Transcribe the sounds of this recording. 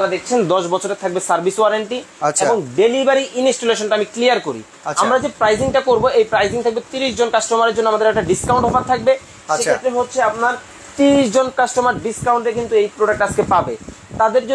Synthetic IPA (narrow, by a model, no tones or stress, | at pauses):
aɾad̪ek̚ʰt͡ɕʰend̪ɔʃbɔt͡ɕʰoɾet̪ʰak̚besaɾbʱiswaɾaɳʈieboŋɖelibaɾiʔinisʈoleʃonʈaamiklijaɾkoɾḭ | amɾad͡ʑepɾajziŋʈakoɾboejpɾajziŋt̪ʰak̚bet̪iɾiʃ̬d͡ʑonkasʈɾomaɾeɾd͡ʑonːoamad̪eɾɛk̚ʈaɖiskaw̃ɳʈɦobatt̪ʰːak̚be | ʃeet̪ːɾeɦotːɕʰeapnaɾ | t̪iɾiʃd͡ʑonkasʈɾomaɾɖiskawɳʈek̬int̪uejpɾoɽak̚ʈaskepabe | t̪ad̪eɾd͡ʑo